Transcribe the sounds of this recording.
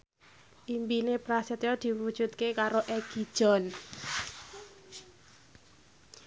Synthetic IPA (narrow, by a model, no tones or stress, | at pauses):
ʔimpinepɾaset̪jɔd̪̥i̤wud̥ʒ̥ṳt̪̚kekaɾoʔɛɡ̥id̥ʒ̥ɔ̤n